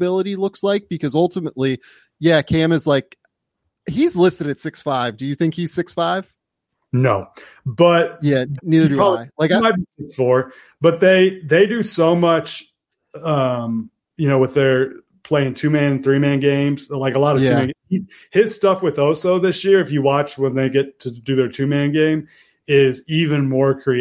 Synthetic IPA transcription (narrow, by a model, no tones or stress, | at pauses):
ɪlˠəɾilʊkslaɪk̚b̥ɨkʰʌzʌlˠtəmətˡli | jækʰæ̃mɨzlaɪk̚ | hizlɪstɨɾɨtsɪksfaɪvdɨjɨθɪ̃ŋkhiz̥sɪksfaɪv̥ | noʊ | b̥ʌt̚jæniðə˞ɾɔlɪlaɪkaaɪt̚bisɪksfɔɹ | b̥ʌt̪̚ðeɪðeɪdɨsoʊmʌt͡ʃ | ʌ̃m | jɨñoʊwəðə˞ | pʰl̥eɪɪ̃ŋtʰʉmæ̃ñnθɹimæ̃nɡẽɪ̃mz̥laɪkəlɑɾʌv̥ʰmæ̃nhiz | hɪz̥stʌfwɨðoʊsoʊðɪsjɪɹɨfjɨwɑt͡ʃwə̃nðeɪɡɛtʰɨdɨðə˞tʰʉmæ̃nɡẽɪ̃m | ɪzivɨ̃nmɔɹkʰɹ̥i